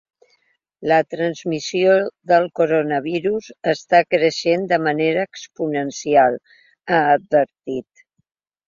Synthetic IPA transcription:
lət̪ɾənzmisioðəlˠkoɾonəβ̞iɾuzəst̪akɾəʃend̪əməneɾəːkspunənsialˠ | əːd̪̚bəɾt̪it̪

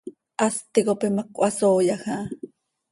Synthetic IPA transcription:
ʔast̪ikopemakʼʷasoːjaxa

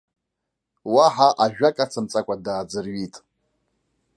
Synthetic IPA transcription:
waħaʔaʒᶣakʼat͡sʰamt͡sʼakʷʼadaːd͡zɨrɥitʼ

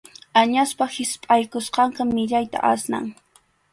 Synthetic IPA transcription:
aɲaspahɪspʼajkʊsqɑɴqamɪʎajt̪a̰ʔasna̰ŋ

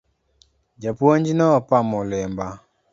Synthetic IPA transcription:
d͡ʒapwoɲd͡ʒinɔpamɔlɪmba

